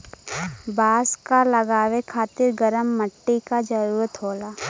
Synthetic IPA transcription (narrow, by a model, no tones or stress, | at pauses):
baːskalɐɡaːʋekʰaːt̪ɪɾɡəɾəmːəʈːikad͡ʒəɾuːɾət̪ɦoːlaː